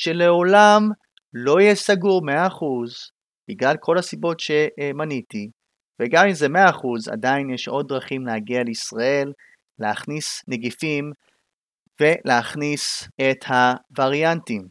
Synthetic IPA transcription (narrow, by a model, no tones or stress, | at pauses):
ʃe̞le̞o̞lam | lo̞jɛsaɡuʁmeaːχuz | b̥iɡlalkʰo̞lasibo̞tʃe̞maniti | veɡamimzemeaːχuza̰dainjeʃʔo̞d̚ːʁaχimlehaɡialeisʁae̞lː | eaχnisneɡifim | ve̞leaχnise̞thavaʁjantim